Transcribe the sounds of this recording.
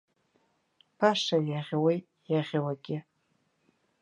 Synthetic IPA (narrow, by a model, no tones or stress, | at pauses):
pʰaʂajaʁʲwej | jaʁʲwaɡʲɪ